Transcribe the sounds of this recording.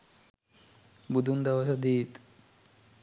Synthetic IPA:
bud̪ʱund̪aʋasad̪iːt̪

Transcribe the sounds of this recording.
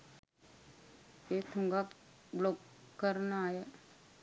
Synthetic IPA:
eːt̪ʰʊ̃ŋɡa | bloːkːəɾnaːeː

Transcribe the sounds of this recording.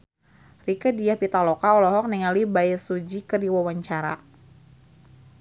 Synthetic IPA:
rikədiahpit̪alɔkaɔlɔɦɔk̚niŋalibajɛsud͡ʒikədiwawaɲt͡ʃaɾa̰

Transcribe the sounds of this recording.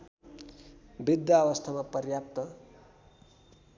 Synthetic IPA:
bid̪jaːwʌst̪ʰamapʌrjap̚t̪ʌ

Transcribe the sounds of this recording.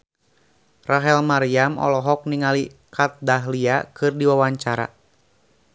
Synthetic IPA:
raɦɛlmaɾiamʔɔ̰lɔɦɔk̚niŋalikat̪̚daɦliakɨrdiwawaɲt͡ʃaɾa̰

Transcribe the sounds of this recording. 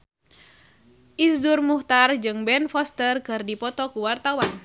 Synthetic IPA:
ʔizurmuht̪ard͡ʒɨŋbɛnfɔst̪ərkɨrdipɔt̪ɔkuwart̪awan

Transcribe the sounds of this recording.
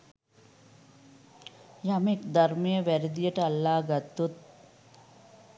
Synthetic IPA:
jɐmekd̪ʱɐɾmijəʋæɾid̪ijəʈəalːaːɡɐt̪ːut̪̚

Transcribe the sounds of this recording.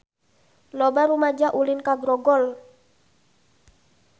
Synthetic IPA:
lɔbaɾumad͡ʒaʔulinkaɡɾɔɡɔl

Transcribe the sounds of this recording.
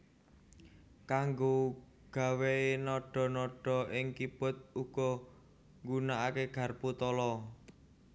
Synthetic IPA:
kaŋɡo | ɡ̥a̤weenɔɖ̥ɔ̤nɔɖ̥ɔ̤ʔɪŋkib̥ɔ̤t̪̚uɡ̥ɔ | ŋɡunaʔakeɡ̥a̤rput̪ɔlɔ

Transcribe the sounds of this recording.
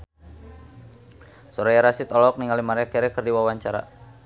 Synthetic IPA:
sɔɾajaɾasit̪ɔlɔk̚niŋalimaɾɛakɛɾɛkərdiwawaɲt͡ʃaɾa̰

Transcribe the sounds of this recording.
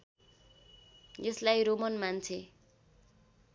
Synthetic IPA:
jeslajɾomʌnmant͡sʰe

